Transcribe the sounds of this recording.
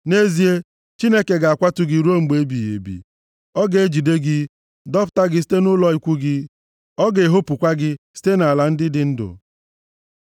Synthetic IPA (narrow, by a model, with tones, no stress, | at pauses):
ne˦zi˦e˦ | t͡ʃi˦ne˦ke˨ɡa˨a˨kʷa˦tʊ˦ɡi˨ɾu˦o˦ŋ͡m̩˨ɡ͡be˨˦bi˨jḛ˨bḭ˨ | ɔ˦ɡe˨e˦d͡ʒi˨de˦ɡɪ˦ | dɔ˦fta˦ɡɪ˦s̬i̥˦te˦nʊ˦lɔ˨i˨kʷu˦ɡɪ˦ | ɔ˦ɡe˨ɦo˦pu˨kʷa˦ɡɪ˦si̥˦te˦na˨la˨n̩˦dɪ˦dɪ˦n̩˦dʊ̰˨